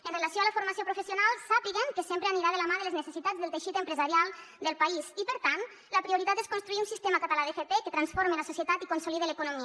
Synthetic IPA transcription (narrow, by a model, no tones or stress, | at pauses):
ənrelasjoaləfuɾmasiopɾufəsiunalˠsapiɣeŋkəsempɾəaniɾaðəlamaðələznəsəsit̪ad͡zðəlˠt̪əʃit̪əmpɾəzaɾjalˠd̪əlˠpaizipəɾt̪ant̪ | ləpɾiuɾit̪at̪eskunst̪ɾuiunsist̪emakat̪alaðefet̪ekət̪ɾansfoɾmeləsusjət̪at̪ikonsuliðeləkunomi